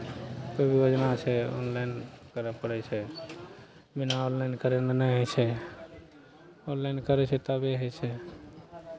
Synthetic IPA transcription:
kobʱijod͡ʒnat͡ʃʰɛo̰nlaɪnkəɾəpəɽɛt͡ʃʰɛ | binaonlaɪnkəɾenenɛɦət͡ʃʰɛ | onlaɪnkəɾɛt͡ʃʰɛt̪abeɦət͡ʃʰɛ

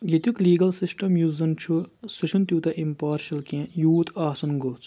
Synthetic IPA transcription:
jɐt̪ʲukliːɡɐlsisʈɐmjuzɐnt͡ʃʰusuʃʰɐnt̪uːt̪ɐʔimpaːɾʃɐlkʲẽjuːt̪aːsɐnɡot͡sʰ

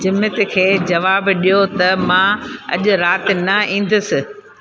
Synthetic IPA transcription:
d͡ʑɪmɪt̪ɪ̆kʰeːd͡ʑɐʋaːbɗijot̪ɐmãɐ̰ʄʊɾaːt̪ɪ̆nɐĩːn̆d̪ʊsɪ̆

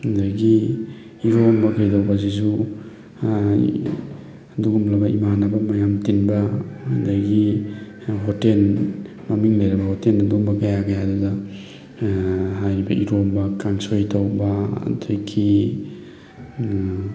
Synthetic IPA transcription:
hndajɡiː | ɾombɐɡijdawbazisu | duɡumlabɐʔḭmanabamajamtinbadaɡi | ɦotel | mamiŋlajɾɐbɐhɔteladuɡmbakajaɡajaduda | ɦajɾibaʔiɾombakaŋsojtʰawba̰dʰojkʰi

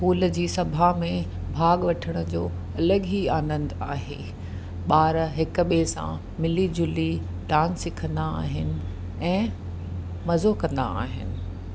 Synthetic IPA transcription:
puːld͡ʑiːsɐbʱamẽ | bʱaːɠʋɐʈʰəɽ̃ə̆d͡ʑoː | ɐləɠɦiaːnə̃nd̪aːɦḛː | ɓaːɾɦɪk̆ɓesã̰ | mɪlid͡ʑʊli | ɖaːnsɪkʰə̃nd̪aa̰ːɦɪnɪ̆ | ɛ̃ː | mɐzokɐ̃nd̪a̰a̰ːɦɪ̰nɪ̆

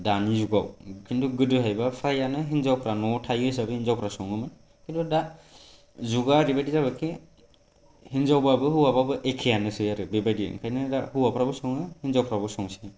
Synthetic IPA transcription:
danizuɡawkʰintʰuɡɯdɯɦajbapʰɾajanɯɦinzawpʰɾanɔtʰajɯs̬abɯhinzawpʰɾasɔŋɯmɯn | kintʰuda | zuɡaɾibajdizabɯkʰi | hinzawbabɯɦɯwababɯʔekʰejanɯsɯjaɾɯbebajdḭŋkʰajnɯdahɯwapʰɾabɯsɔŋɯhinzawpʰɾabɯsɔŋsɯ

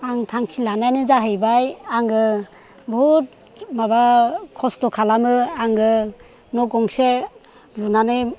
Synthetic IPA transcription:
aŋtʰaŋkʰilanajnɯzaɦɯjbajaŋɡɯ | but̚ | mabakʰɔstɔkʰalamɯaŋɡɯ | nɔɡɔŋse | lunanɯj

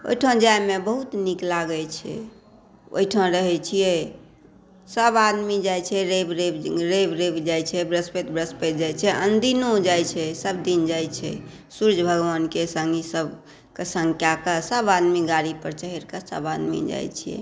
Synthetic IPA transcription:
o̰iʈʰãd͡ʒajmebəɦut̪niklaɡɛt͡ʃʰɛ̰ | o̰iʈʰãɾəɦɛt͡ʃʰijɛ | səbad̪mid͡ʒajt͡ʃʰɛɾebɾebɾebɾebd͡ʒajt͡ʃʰɛbɾəspet̪bɾəspet̪̚d͡ʒajt͡ʃʰɛʔənd̪inod͡ʒajt͡ʃʰɛsəbd̪ind͡ʒajt͡ʃʰɛ̰ | suɾd͡ʒʱbʱəɡʋankesəŋɡisəb | kesə̃ŋkjakasəbad̪miɡaɾipəɾt͡ʃəɦiɾkəsə̰bad̪mḭd͡ʒa̰jt͡ʃʰijɛ̰

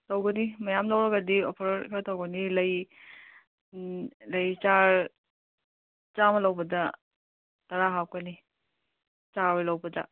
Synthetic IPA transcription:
tɐwɡɐnimɐjamtawɾɐɡɐdiopʰɐɾkʰɐtɐwɡɐnilɐj | lɐjt͡ʃaɾ | t͡ʃamɐlɐwbɐdɐ | tɐɾaɦaw̚kɐni | t͡ʃawɐlɐwbɐdɐ

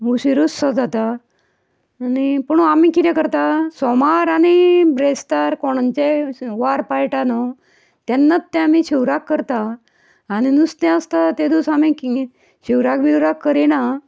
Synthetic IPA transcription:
ɦuɕiɾusad͡zat̪a | nipəɳ̃uamikit̪ɛkəɾt̪asɔmaɾañibɾest̪aɾkɔɽ̃ant͡ɕeʋaɾpajʈanɔ | t̪janːat̪ːɛamiɕiwɾakːəɾt̪aː | ɽ̃inust̪ɛ̃əst̪at̪ed̪usamĩk | ɕiwɾakbiwɾakːəɾɛna

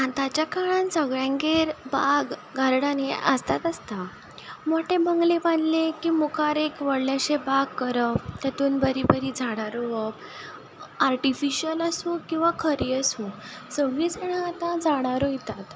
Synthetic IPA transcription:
at̪at͡ɕjakaɽansəɡɭjãŋɡeɾbaɡɡəɾɽaneʔəst̪at̪əst̪a | moʈebʱəŋɡlebanlekiːmukʰaɾekʋəɽljaɕebaɡkəɾəpt̪jat̪uːnbəɾibəɾid͡zʱaɽ̃aɾoʋəb | aɾʈifiɕiələsũkĩw̃ʋakʰəɾijəsũ | səɡɭiːd͡zaɽ̃ãat̪ãd͡zaɽ̃aɾoit̪at̪

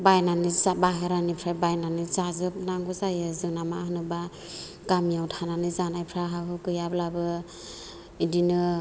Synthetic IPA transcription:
bajnanɯzabaɦeɾanipʰɾajbajnanɯzazɯp̚naŋɡuzajɯzɯŋnamaɦɯnɯba | ɡ̥amijawtʰananɯzanajpʰɾaɦaɦɯkɯjablabɯ | idinɯ

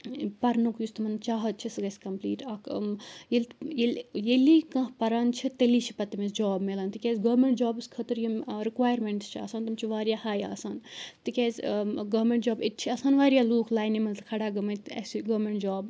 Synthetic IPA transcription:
pɐɾnukjust̪mɐnt͡ʃaːɦɐt̪̚t͡ʃʰisɡɐsʲkɐmplḭːʈɐkjelʲjeljelikɐ̃ɦpɐɾaːnt͡ʃʰit̪eliːt͡ʃʰipɐt̪ɐmesd͡ʒaːbmelaːnt̪ikʲeːzʲɡɐːmeɳʈd͡ʒaːbɨskʰɐt̪ɨɾjimɾikʋaːjɾmeɳʈst͡ʃʰiɐ̰saːnt̪ɐmt͡ʃʰiʋaːɾjaːhaːja̰ːsaːnt̪ikʲeːzʲɡɐːmeɳʈd͡ʒaːbit̪̚t͡ʃʰiɐsaːnʋaːɾijaːluːkʰlaːjnimɐnkʰɐɽaːɡɐmɐnt̪ɐ̰siɡɐːmeɳʈd͡ʒaːb

